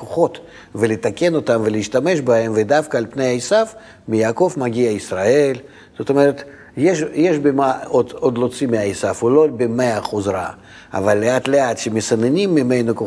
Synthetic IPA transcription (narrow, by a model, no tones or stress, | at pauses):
koχo̞t̪ | vɛlʲɪt̪akʲenot̪amvelʲɪːʃt̪ame̞ʃbaemvɛd̪afkɐːlʲpnejaɪsaf | mʲɪjaːko̞fmaɡʲiɐisrae̞lʲ | z̥ot̪omeɾət̪ | jeʃjɛʃbemaod̪od̪lˠot̪simʲɪaɪsafulobemeɐχuzɾa̰ | a̰valʲːeat̪leat̪ʃemʲɪsɐnenʲimːɪmejnoko